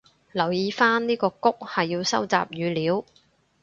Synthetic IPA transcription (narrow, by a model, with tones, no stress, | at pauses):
lɐ˨˩wjiː˨˧faː˥nniː˥kɔː˧kʊ˥k̚hɐ˨jːiː˧wsɐ˥wt͡sa̰ː˨p̚jyː˨˧liː˨˥w